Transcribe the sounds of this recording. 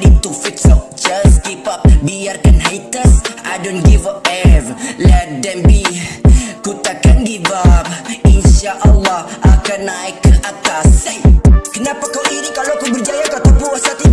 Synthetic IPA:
lit̪ufit̪sɔf̚d͡ʒaskipap̚biarkanɦajt̪əsa̰jdɔ̃nɡivapɛvlɛdɛmbi | kut̪akanɡibapinʃaʔəlːɑhʔakanːaikʔat̪as | kənapakɔminikaloakunbərd͡ʒajakat̪apuasat̪i

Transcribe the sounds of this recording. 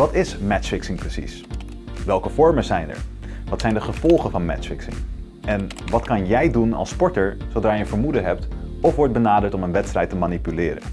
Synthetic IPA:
ʋɑtɪsmɛtfɪksɪŋprəsḭs | ʋɛlˠkəv̥ɔɹməzɛjnɛ̰ɹʋɑtsɛjndəχəv̥ɔlˠχəvɑnmɛ̰tfɪksɪ̰ŋ | ɛnʋɑtkɑnjɛjdunɑ̰lˠspɔɹtəɹzowdraːjəəvəɹmudəɦɛp̚t | ɔfʋɔɹt̚bənaːdəɹtɔmənʋɛtstrɛjtəmanipylɪːɾə̰n

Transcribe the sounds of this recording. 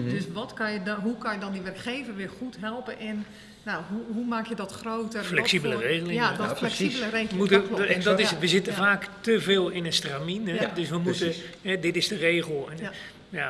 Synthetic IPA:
døsʋɔtkɔnjəɦukɔnjədɔndiʋɛrɹkχeːvərʋɪχutɦɛlˠpənʔɛnː | aɦuɦumaːkjədɔtxroːtəflɛksibələreːɣəlɪaɔlɛksiləreːmutəɛndɔtɪsʋəzɪtəvaːktəveːlˠɪnənstraminədøsʋəmutəɦɛdɪtɪzdəreːɣəl̩ˠɛn | ja

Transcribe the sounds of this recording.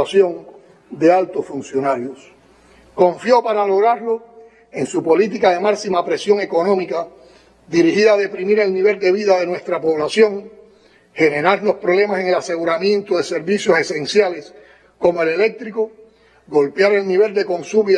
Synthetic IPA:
asjo̞ŋ | d̪e̞alt̪osfunsjo̞naɾjos | ko̞ɱfjo̞paɾalo̞ɣɾaɾlo̞ | eŋsupo̞lit̪̬ikaðe̞maksimapɾe̞sjo̞ŋe̞ko̞nõ̞mika | ðiɾihiðaðe̞pɾimiɾe̞lnĩβe̞ld̪e̞β̞iðaðe̞nwe̞st̪ɾapo̞βlasjoŋ | he̞ne̞ɾaɾlo̞spɾoβle̞mase̞ŋe̞lase̞ɣuɾamjẽ̞nt̪oðe̞se̞ɾβisjo̞se̞sẽ̞ŋsjale̞s | ko̞moe̞le̞le̞k̚t̪ɾiko | ɡo̞lpjaɾe̞lniβe̞ld̪e̞ko̞ŋsumi

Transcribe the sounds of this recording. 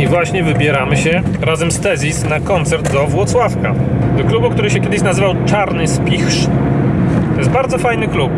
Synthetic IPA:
ivwaɕɲɛvɘbʲjɛɾamɘɕɛɾazɛmst̪ɛzʲisnakɔnt̪sɛɾd̪d̪ɔvwɔt̪swafkad̪ɔklubukt̪uɾɘɕɛkʲɛd̪ɘɕ̬nazɘvawt͡ʂaɾnɘspʲixʂ | ɔjɛst̪̚baɾd̪zɔfajnɘklup̚

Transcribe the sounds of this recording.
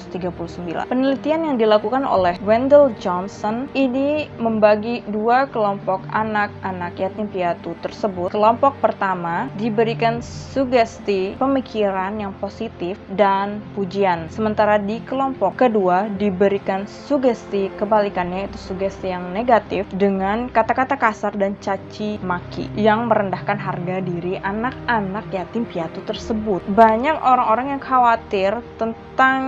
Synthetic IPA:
ust̪iɡapuluhsəmbila̰npənəlit̪ianjaŋdilakukano̰lɛhwɛndəld͡ʒɔnsɔniniməmbaɡiduakəlɔmpɔka̰nak̚ʔanakjat̪nimpiat̪ut̪ərsəbʊkəlɔmpɔk̚pərt̪amadibəɾikansuɡɛst̪ipəmikʰiɾanjaŋposit̪ɪfdanpud͡ʒiansəmənt̪aɾadikəlɔmpɔkːəduadibəɾikansuɡɛst̪ikəbalikanɲait̪usuɡɛst̪ijaŋneɡat̪ɪfdəŋankat̪akat̪akasardant͡ʃat͡ʃimakḭjaŋməɾəndahkanɦarɡadiɾiʔanak̚anak̚jat̪impiat̪ut̪ərsəbʊt̪̚baɲakoɾaŋoɾaŋjaŋkʰawat̪ɪrt̪ənt̪aŋ

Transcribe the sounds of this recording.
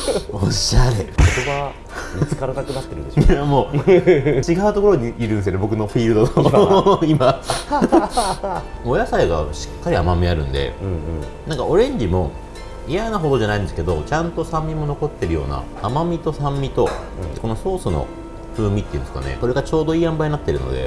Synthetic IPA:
oɕːaɾekoɾoβa | miskaɾak̪akɯ̟nat̪ːeɾɯ̟nd̪eoiamoː | t͡ɕiɡaɯt̪o̞ko̞ɾo̞ɲ̟iːɾɯ̃nd̪esɨjnebo̞k̬ɯ̟no̞ɸʲiːɾɯ̟d̪ot̪oima | ojasaiɡa̰ɕi̥kːaɾʲiamamʲiaɾɯ̟̰̃nd̪ẽ̞̰ | nãŋka̰oɾẽ̞ɲ̟d͡ʑimo̞ | ijanaɦo̞d̪o̞ʑanaĩnd̪eske̞d̪o̞t͡ɕãnt̪o̞sãmːʲimo̞no̞ko̞t̪ːe̞ɾɯ̟jo̞̰ːna̰ːmamʲit̪o̞sãmːʲit̪o̞ | eko̞no̞so̞ːsɨno̰ | ɸɯːmʲit̪ːejiɯ̟nsɨka̰ne̞̰ko̞ɾe̞ɡat͡ɕo̞ːd̪o̞iːãmbaiɲinat̪ːe̞ɾɯ̟no̰d̪e̞̰

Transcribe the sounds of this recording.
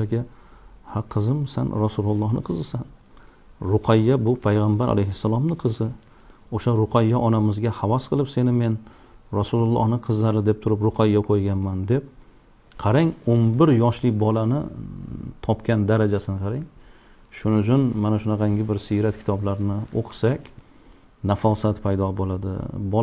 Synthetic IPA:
aɡʲa | haqʰɨzɪmsa̰nɾasulʊlˠːɒhnɪ̰qʰɨzɨsan | ɾʊqʰɑjːabʊpʰajʁambaɾʔa̰lejhɪsːalˠɒmnɪqʰɨzɪ | oʃaɾʊqʰajːaʔɒnamɪzɡʲahavasqʰɨlˠɪpse̞nɪme̞n | ɾasulʊlˠːɒ̰hnɪqʰɨzlaɾɪd̪e̞p̚t̪ʰʊɾɪpɾʊqʰajːaqʰojɡʲanmand̪ep̚ | qʰɑɾaŋonbɪɾjɒʃlɪk̚ʲbɒlˠanɪ̰ | t̪ʰɒpkʲand̪aɾad͡ʒasɪnɪqʰɑɾaŋ | ʃʊnʊt͡ʃʰʊnmanaʃʊnɑqʰɑŋɡʲɪbɪɾsiɾat̪̚kʲʰɪ̥t̪ʰɒblaɾnɪoqʰɨ̥sakʲ | nafalˠsat̪pʰajd̪ɒbolˠad̪ɪ̰b

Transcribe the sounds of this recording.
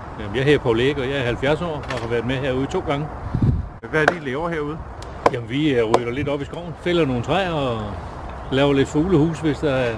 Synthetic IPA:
jæmnjɑ̈ɪɦeɐ̰pʰoleɡ̥ɒjɑ̈ɪæɐhælfjæɐsɒ̰ːɒhɑ̈ʋæɐd̥ˠmeɦeɐ̰uːð̞̩ˠt͡sʰo̝̰ːɡ̥ɑ̈ŋə | ʋæd̥ileɒ̰heɐ̰uð̞ˠ | jæmnʋiʁyd̥ɐle̝d̥ɒ̽b̥isɡ̥ʁɒʊ̰n̩fel̰ɐno̝ːn̩t͡sʰʁɛɒ̽ | lɛːʊɐle̝d̥fuːləhṵːsʋe̝sd̥ɑæɐ

